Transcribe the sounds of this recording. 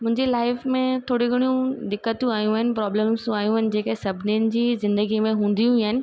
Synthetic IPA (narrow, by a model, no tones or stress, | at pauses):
mʊ̃ɦɪ̃ɲd͡ʑilaːɪfmẽt̪ʰoːɽiɡɪɽ̃ijũd̪ɪkːət̪jũaːjũaɦɪnɪ̆pɾɔːbləmz̃aːjũɪnɪ̆d͡ʑeːkesɐbʱɪniənɪ̆d͡ʑiːzɪ̃nd̪əɡimẽɦũːn̆d̪ijũaɦɪnɪ̆